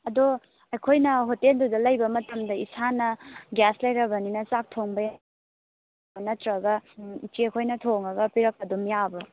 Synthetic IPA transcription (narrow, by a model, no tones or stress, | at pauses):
ɐdo | ɐjkʰojnɐɦoteldudɐlɐjbɐmɐtɐmdɐisanɐɡaslɐjɾɐbɐninɐsak̚tʰoŋbɐja | bɐnɐtɾɐɡɐit͡ʃiɐjkʰojnɐtʰoŋɐɡɐpiɾɐkɐdomijabɐ